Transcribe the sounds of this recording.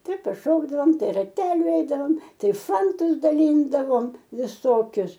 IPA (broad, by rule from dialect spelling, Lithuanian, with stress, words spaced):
ˈtɐɪ pɐˈʃoːɡdɐʋoːm ˈtɐɪ rɐˈtʲæːlʲʊ ɛɪdɐˈʋoːm ˈtɐɪ ˈfɐntʊs dɐˈlʲiːndɐʋoːm ʋʲɪˈsoːkʲʊs